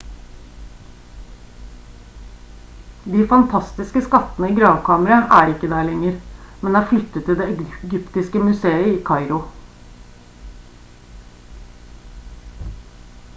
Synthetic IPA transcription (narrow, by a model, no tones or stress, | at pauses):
d̪iːfɑnt̪ʰɑst̪ɪskəskɑt̪ənəiːɡɾɑːʋkʰɑːməɾɑʔæːɖɛɪkːəd̪æːɭɛŋːəɾmɛnd̪ɛːæːɾflʏt̪ːət̪ʰːɪld̪eːɛɡʏpt̪ɪskəmʉseːəiːkʰɑɪɾʊ